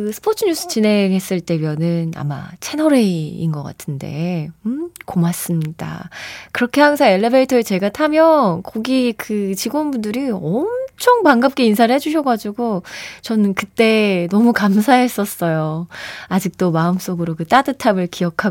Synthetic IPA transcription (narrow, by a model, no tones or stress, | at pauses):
kɯsʰɯ̥pʰot͡ɕʰɯɲus͈ʰɯ̥t͡ɕine̞ŋɦe̞s͈ɯɭt͈e̞mjʌnɯna̰ma̰t͡ɕʰenʌɾeḭnɡʌk͈a̰tʰɯnde̞̰mkomas͈ɯmɲida̰kɯɾʌkʰe̞haŋsʰaŋe̞ɭːebe̞itʰʌet͡ɕe̞ɡatʰamjʌnkʌɡikɯt͡ɕiɡonbundɯɾiʌmt͡ɕʰʌŋpaŋɡap̚k͈einsʰaɾɯɭhed͡ʑuɕʰʌɡad͡ʑuɡot͡ɕʌnɯnkɯt͈e̞nʌmukamsʰaɦe̞s͈ʌs͈ʌjoad͡ʑik̚t͈omaɯms͈oɡɯɾokɯt͈adɯtʰabɯɭkijʌkʰa